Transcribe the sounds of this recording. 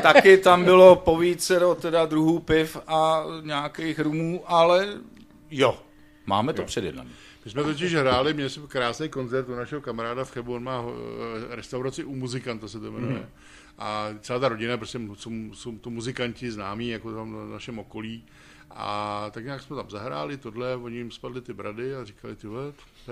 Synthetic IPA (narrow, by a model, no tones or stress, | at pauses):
t̪akɪt̪ambɪlo̞poviːt͡sɛdot̪ɛdad̪ɾuɦuːpɪfaɲaːkejxɾumuːʔalɛ | jo | ma̰ːmɛt̪opr̝̥ɛdjɛ̰dna̰m | mɪsmɛt̪oc̬ɪʃɦɾaːlɪmɲɛlɪsɛmkɾaːsnejko̞nt͡sɛɾt̪unaʃɛɦokamaɾaːdafxɛbuonmaː | ɾɛst̪awɾat͡sɪʔumuzɪkant̪asɛt̪omɛnujɛ̰ | ʔat͡sɛlaːt̪aɾo̞ɟɪnapɾoscʲɛsowsowt̪omuzɪkaɲcɪznaːmiːjakot̪amnaʃɛmoko̞liː | ʔa̰t̪akɲaːksmɛt̪amzaɦɾa̰ːlɪt̪o̞dlɛvoɲɪjɪmspadlɪt̪ɪbɾʔadɪarɪkalɪt̪ɪvlɛt̪ | t̪